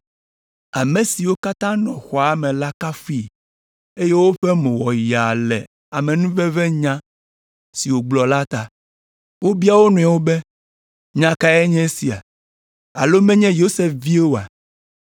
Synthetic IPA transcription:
a˨mẽ˨si˨wo˦ka˦t̪ã˦nɔ̰̃˨xɔ˨a˨mɛ̃˨la˦ka˦fi˦ | e˦je˦wo˦ɸɛ˦mẽ˨wɔ˨ji˨a˨lɛ̰˨ | a˨mɛ̃˨nũ˦vɛ˦vɛ˦ɲã˦ | si˨wo˨ɡ͡blɔ˨la˦t̪a˨ | wo˦bi˦a˦wo˦nũ˨a˨wo˦bɛ˦ | ɲã˨ka˦ɛ˦ɲɛ̃˦si˨a̰˨ | a̰˨lo˦mɛ̃˦ɲɛ̃˦jo˦se˦fvi˦e˦wo˨a˨

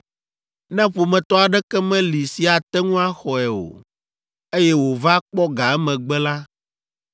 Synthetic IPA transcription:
nɛ̃˦ɸo˨mɛ̃˨t̪ɔ˦a˨ɖɛ˦kɛ˦mɛ̃˦li˨si˨a˨t̪ɛ˦ŋũ˦a˦xɔ˨ɛ˨o̰˨ | e˦jɛ˦wo˨va˦k͡pɔ˦ɡa˨ɛ˦mɛ̃˨ɡ͡bɛ˦la˦

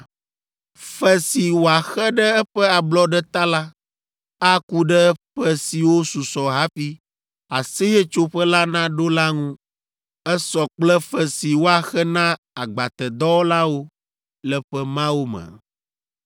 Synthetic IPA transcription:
fɛ˦si˨wo˨a˨xɛ˦ɖɛ˦ɛ˦ɸɛ˦a˨blɔ˦ɖɛ˦t̪a˦la˦ | a˦ku˦ɖɛ˦ɸɛ˦si˨wo˦su˨sɔ˨ɦa˦fi˦ | a˨se˦jɛ˦t͡ʃo˦ɸɛ˦la˦nã˦ɖo˦la˦ŋũ˦ | ɛ˦sɔ˨k͡plɛ˦fɛ˨si˨wo˦a˨xɛ˦nã˦ | a˨ɡ͡ba˨t̪ɛ˨d̪ɔ˦wo˦la˦wo˦ | lɛ˦ɸɛ˦mã˦wo˦mə̰̃˨

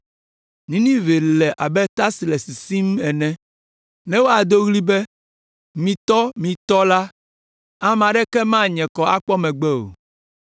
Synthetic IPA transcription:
nĩ˨˦nĩ˦ve˨lɛ˨ʔa˨bɛ˦t̪a˦si˨lɛ˨si˨si˦mɛ˨nɛ̃˦ | nɛ̃˦wo˦a˨d̪o˦ɣli˦bɛ˦ | mĩ˨t̪ɔ˦mĩ˨t̪ɔ˦la˦ | a˦mã˨ɖɛ˦kɛ˦mã˦ɲɛ̃˨kɔ˨a̰˦k͡pɔ˦mɛ̃˨ɡ͡bɛ˦o̰˨

